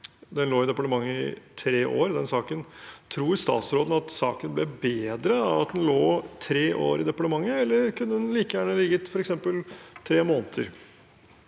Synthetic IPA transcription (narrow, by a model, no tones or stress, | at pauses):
d̪ɛnloːɪd̪ɛpɑɳəmɑŋːəɪ̰t̪ʰɾeːʔo̰ːɾd̪ɛnsɑːkənt̪ʰɾuːɪst̪ɑ̰ːt̪sɾoːd̪n̩ɑt̪sɑ̰ːkənblɛbeːd̪ɾəɑʋɑt̪̚d̪ɛnloːt̪ʰɾeːʔo̰ːɾɪd̪ɛpɑʈəmɑŋːəɛlːəɾkʰʉnːəd̪ɛnliːkəjæːɳəlɪɡːət̪fɔɾɛksɛmpəlt̪ʰɾeːmoːnət̪ʰəɾ